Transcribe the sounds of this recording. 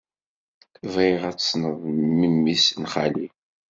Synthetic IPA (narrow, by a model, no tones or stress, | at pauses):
veʁæt͡sːsnəðˤmimːisnχali